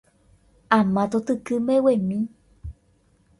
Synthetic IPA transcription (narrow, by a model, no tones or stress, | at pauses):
amãt̪ot̪ɨkɨmewemĩ